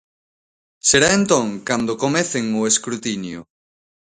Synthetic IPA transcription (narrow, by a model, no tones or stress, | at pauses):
seɾaent̪õŋkand̪okomeθeŋʊeskɾut̪injʊ̰